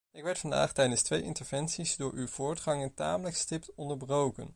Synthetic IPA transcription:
ɪkʋɛɹtfɑnda̰ːχtɛjdənstʋejʔɪ̰ntəɹv̥ɛnsizdʊːɹʔywv̥ʊːɹtχɑŋənta̰ːmələkstɪptɔndəɹbrowkə̰n

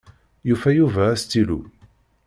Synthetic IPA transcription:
jufæjuvæːst̪ːilṵ

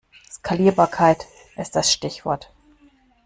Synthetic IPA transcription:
skʰaliːɐbaːɐkʰaɪt | ʔɪstd̥asʃtɪçv̥ɔɐt

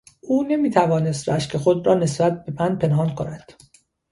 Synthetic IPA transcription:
uːne̞miːt̪ʰævɒːne̞st̪ɾæʃkʰexod̪ɾɒːne̞sbæt̪̚be̞mænpʰe̞nɦɒnkʰonæd̪̥

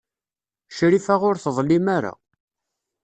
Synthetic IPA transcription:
ʃɾifaʁʊɾθðˤlːimaɾa̰

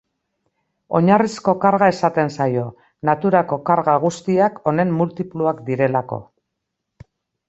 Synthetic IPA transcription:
o̞ɲarisko̞kaɾɣae̞sat̪e̞nsajo̞ | nat̪uɾako̞kaɾɣaɣ̞ust̪iako̞ne̞mːult̪ipluakd̪iɾe̞lako̞̰

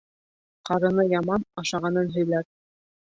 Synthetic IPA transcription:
qɑɾɤ̆nɤjɑmɑnɑʃɑʁɑnɤnɦɵ̆jlæɾ̚

